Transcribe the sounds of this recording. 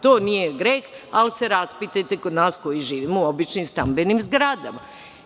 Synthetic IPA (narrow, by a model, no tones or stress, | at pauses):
t̪oːnijeɡɾekalise̞ɾaspit̪et̪ekod̪naːsko̞jiʒiːʋiːmouo̞bit͡ʃnimst̪ambenimzɡɾad̪ama